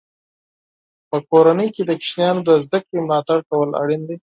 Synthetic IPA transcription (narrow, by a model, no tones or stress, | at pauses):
pəkoɾanəjked̪əkɪ̥ʃnijɑnod̪əzd̪akɽemlɑt̪aɽk̪awəla̰ɽind̪e